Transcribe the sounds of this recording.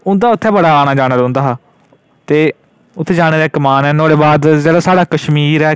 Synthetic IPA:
ʊ̃nd̪aːʊt̪ʰːɛːbəɽaːaːɽ̃ãːd͡ʒaːɽ̃eːd̪õnd̪aːɦː | t̪eː | ʊt̪ʰːeːd͡ʒaːɽ̃ẽːd̪ɛːkəmaːnɛːnoːɽeːbaːd̪zeːɽaːsaːɽaːkəʃmiːɾɛː

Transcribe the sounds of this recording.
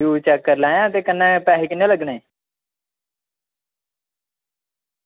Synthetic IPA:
uːt͡ʃɛkːəɾlaːjãːət̪eːkənːɛ̃ːpɛːɦiːkɪnːẽːləɡnaeː

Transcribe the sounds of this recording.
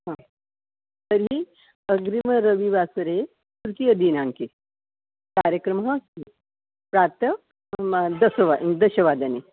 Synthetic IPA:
ɦã | t̪əɾi | əɡɾiməɾəʋiʋasəɾe | t̪uɾkijəd̪inãŋke | kaɾjəkɾəmɦə | pɾat̪ə | d̪əsəʋad̪əɕəʋad̪ane

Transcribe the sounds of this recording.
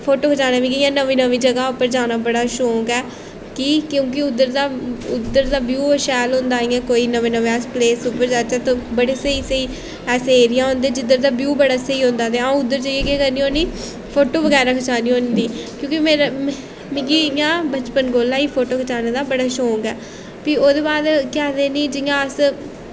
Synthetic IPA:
pʰoːʈoːkʰət͡ʃaːnãːmĩːɡijãːnəʋĩːnəʋĩːd͡ʒəɡaːʊpːəɾd͡ʒaːnaːbəɽaːʃoːɡɛː | kɪkjõːk̬ɪʊd̪ːəɾd̪aːʊd̪ːəɾd̪aːbjuːəʃɛːlɦõːnd̪aːĩːɛ̃ːkoːiːnəʋeːnəʋeːaspleːsʊpəɾd͡ʒaːt͡ʃat̪õːbəɽeːsəiːsəiː | ɛːseeːɾɪjãːɦõːnd̪eɛːd͡ʒɪd̪əɾd̪aːbjuːbəɽaːsəiːɦõːnd̪aːt̪eːãũʊd̪ːəɾd͡ʒəiekeːkəɾniːoːniː | pʰoːʈoːʋəɡɛːɾãːkʰət͡ʃaːniːɦõːnd̪iːkjõːkɪmeːɾ | mɪ̃ɡiːɪjãːbət͡ʃpənɡoːlãːiːpʰoːʈoːkʰət͡ʃaːneːd̪aːbəɽaːʃoːŋɡɛː | piːoːd̪eːbaːd̪kɛːd̪eːniːd͡ʒɪjãːəs

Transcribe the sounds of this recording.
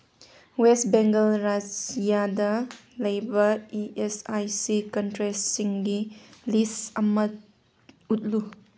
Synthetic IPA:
wesbeŋɡɐlɾad͡ʒijadɐlɐjbɐiʔesajsikɔntɾessiŋɡilisɐmɐt̚ | ut̚lu

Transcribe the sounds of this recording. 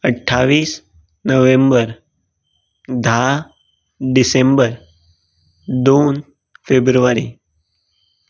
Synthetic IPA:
əʈʰːaʋiːs | nəʋẽmbəɾ | d̪ʱa | ɖisẽmbəɾ | d̪on | febɾuʋaɾi

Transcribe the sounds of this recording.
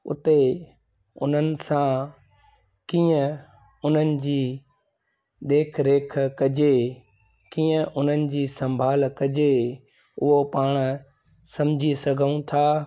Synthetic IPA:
ʊ̰t̪e | ʊ̰n̤ənɪ̆sã | kiːə̃ | ʊn̤ənɪ̆d͡ʑiː | ɗ̪eːkʰɾeːkʰkɐd͡ʑe | kiːə̃ʔʊn̤ənɪ̆d͡ʑiːsɐ̃mbʱaːlkɐd͡ʑe | ʊɦopaːɽ̃ | sɐ̃md͡ʑʱisɐɡʱəũt̪ʰaː

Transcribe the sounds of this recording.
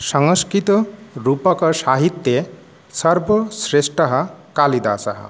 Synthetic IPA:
sʌŋʌskɾit̪ɔɾupʌkʌsaɦit̪ːje | sʌɾbʱʌsɾesʈʌɦʌkalid̪asʌ̰ɦʌ̰

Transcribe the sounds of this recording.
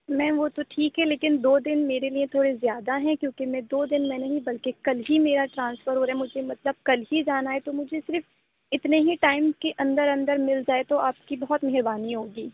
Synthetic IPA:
mɛ̃ːʋot̪oʈʰiːkɦɛleːkɪnd̪oːd̪ɪnmeːɾeliẽt̪ʰoːɽezjaːd̪aɦɛ̃kjõːkemɛ̃d̪oːd̪ɪnmɛ̃ːnɐɦĩbɐlkekɐlɦimeːɾaʈɾãːnsfəɾɦoːɾɦɛmʊd͡ʒʱemɐt̪ləb̚kɐlɦid͡ʒaːnaet̪omʊd͡ʒʱesɪɾf | ɪt̪neɦiʈaːɪmkeʔɐ̃nd̪əɾɐ̃nd̪əɾmɪld͡ʒaːet̪oaːpkibɐɦɔt̪mɛɦɪɾbaːniɦoːɡiː

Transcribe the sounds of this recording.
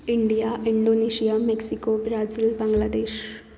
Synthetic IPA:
iɳɖijaʔiɳɖoneɕijameksikobɾazilbaŋɡlad̪eːɕ

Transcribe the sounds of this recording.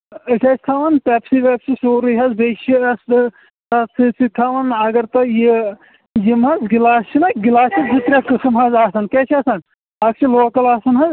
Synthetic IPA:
ɐʈʰɐst̪ʰaːʋɐnp̪ɛːpsiʋɛpsʰisoːɾɨjɦɐzbet͡ʃʰiɐs | tɐt͡sʰɨt͡sʰit̪ʰaːʋɐnɐɡɐɾt̪ɐji | jimɐzɡilaːst͡ʃʰinɐɡilaːt͡ʃʰid͡ʒit̪ɾʲakɨsmɦɐzaːsɐnkɛːt͡ʃʰɐːsɐn | ɐkt͡ʃʰiloːkɐlaːsɐnɦɐz

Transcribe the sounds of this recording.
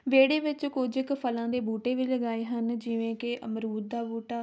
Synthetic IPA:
ʋeːɽeːʋɪt͡ʃkoːd͡ʒɪkpʰəlãːd̪eːbuːʈeːʋiːləɡaːeːɦənd͡ʒɪʋẽːkeʔəmɾuːɾ̚d̪aːbuːʈaː

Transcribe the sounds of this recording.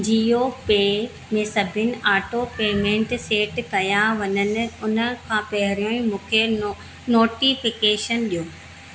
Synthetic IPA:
d͡ʑijɦopeː | mẽːsɐbʱɪnɪ̆ʔaːʈopeːmẽːɳʈseːʈkɐjaʋɐɲənɪ̆ʊnə̆kʰãːpɐɦɪɾijõːĩmũːkʰe | noːʈifɪkeːʃənɗijoː

